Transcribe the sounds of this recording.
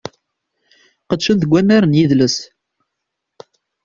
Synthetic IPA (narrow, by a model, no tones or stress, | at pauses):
qəd̪ʃənθəɡʷæmæɾənjiðləs